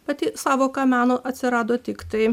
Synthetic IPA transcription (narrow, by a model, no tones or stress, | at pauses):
pɐt̪ʲɪsɑːʋoːkɐmʲæːnoːʔɐt̪ʲsʲɪɾɑːd̪oːt̪ʲɪkt̪ɐɪ